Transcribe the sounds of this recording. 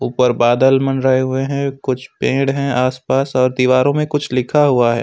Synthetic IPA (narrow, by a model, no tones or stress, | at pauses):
uːpəɾbaːd̪əlmɐnɾəɦeɦʊeɦɛ̃kʊt͡ʃʰpẽːɽɦɛ̃aːspaːsɔːɾd̪iːʋaːɾõmẽkʊt͡ʃʰlɪkʰaɦuaɦɛ̰ː